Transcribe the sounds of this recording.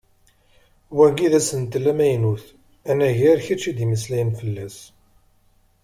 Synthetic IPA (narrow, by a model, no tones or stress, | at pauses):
wæɡiðæsənt̪lːæmæjnuθ | ænæʝæɾçæt͡ʃːid̪iməslæjənfəlːæs